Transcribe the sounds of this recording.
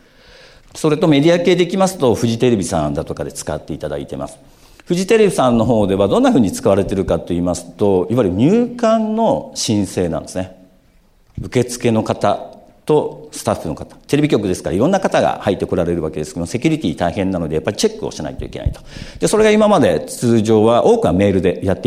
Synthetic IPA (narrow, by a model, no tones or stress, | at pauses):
so̞ɾe̞t̪o̞me̞d̪ʲiake̞ːd̪e̞ikʲimasɨ̥t̪o̞ɸɯ̟ʑit̪e̞ɾe̞bʲisã̰nd̪at̪o̞kad̪e̞t͡sɨ̥kat̪ːe̞it̪ad̪a̰it̪e̞ma̰sɨ̥ | ɸɯ̟ʑit̪e̞ɾe̞bʲisãnːo̞ɦo̞ːd̪e̞β̞ad̪õ̞nːaɸɯ̟ːɲ̟it͡sɨ̥kaβaɾe̞t̪e̞ɾɯ̟kat̪ːo̞iːmasɨ̥t̪o̞iβaɾɯ̟ɲ̟ʲɨːkãnːo̞ɕĩɰ̃se̞ːnã̰nd̪e̞sɨne | ɯ̟ke̞t͡sɨ̥ke̞no̞kat̪a | t̪o̞sɨ̥t̪aɸːɯ̟no̞̰kḁt̪ḁt̪e̞ɾe̞bʲikʲo̞k̬ɯ̟d̪e̞sɨ̥kaɾaiɾõnːakat̪aɡa̰hait̪ːe̞ko̞ɾaɾe̞ɾɯβake̞d̪e̞sɨ̥ked̪ose̞kʲuɾʲit̪ʲiːt̪aihẽ̞nːano̞d̪e̞japːaɾʲit͡ɕe̞kːɯ̟o̰ɕana̰it̪o̞ḭkena̰it̪o̥d̪̥e̞so̞ɾeɡaimamad̪e̞t͡sɨːʑo̞ːβaʔo̞ːkɯ̟name̞ːɾɯ̟d̪e̞jat̪ːe